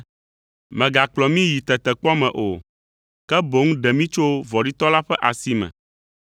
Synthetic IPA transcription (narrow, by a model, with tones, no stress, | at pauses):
mɛ̃˨ɡa˨k͡plɔ˨mĩ˦ji˨t̪ɛ˨t̪ɛ˨k͡pɔ˦mɛ̃˨ʔo˨ | kɛ˦bo˨˦ŋũ˦ɖɛ˨mĩ˦t͡ʃo˦vɔ˨ɖi˦t̪ɔ˦la˦ɸɛ˦ʔa˨si˦mɛ̰̃˨